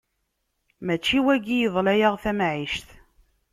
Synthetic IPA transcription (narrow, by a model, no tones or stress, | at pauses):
mæt͡ʃːiwæɡijəðˤlæjaʁθæmʕiʃθ